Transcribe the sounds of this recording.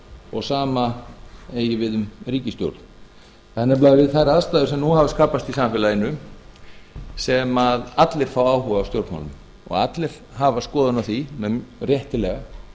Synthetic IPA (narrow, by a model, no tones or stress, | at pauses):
ɔ̰ɣsaːma | eːjɪvɪðʏmriːcɪst̪jo̰wɾt̪n̥ | θɛnːɪɾplaːjðɪvɪðθajɾaðst̪aːðʏ̥sɛmnuhavaskaːpast̪isamfɪːlaɪnːʏ | sɛmaðat̪lɪɾ̥faːwaːwhuːvaːwst̪jowɾt̪ma̰wlʏm | ɔ̰ɣat̪lɪɾ̥ | ɦaːvaskɔːðanawθimɛrjɛht̪ɪlɛɣa